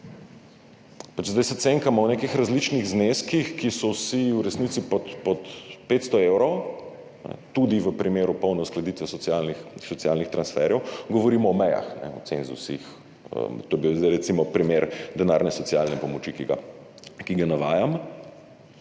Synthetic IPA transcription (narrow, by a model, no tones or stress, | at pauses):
pat͡ʃzd̪ajsɛt̪seŋkamɔwnekixɾazlit͡ʃniɣzneskixkisɔwsiwɾɛsnit̪sipɔt̪pɔt̪pet̪st̪ɔewɾɔw | nɛ̰t̪ud̪iʋəpɾimeːɾupɔwnɛwsklad̪it̪ʋɛsɔasɔsjalnixt̪ɾansfɛɾjɛwɡɔʋɔɾimɔɔmɛja̰xnɛ̰ɔ̰t̪senzusix | ə̰mt̪oːjbizd̪aɪɾɛt̪imɔpɾimeɾd̪ɛnaɾnɛsɔt̪sialnɛpɔmɔt͡ʃikiɡa̰ | kiɡanaʋaːjam